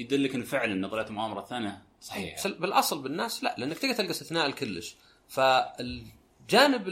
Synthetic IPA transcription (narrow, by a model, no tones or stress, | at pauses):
jd̪ɪlːɪkɪnːfɪʕlanːɑðɑlaːt̪mʊʔaːmɑɾˤɑθaːnja | sˤɑ̥ːbbɪlʔɑsˤlbɪnːaːslaʔlʔanːakt̪iːɡat̪ɪlɡast̪ɪθnaːʔlkʊlːɪʃ | faɪl | d͡ʒaːnɪb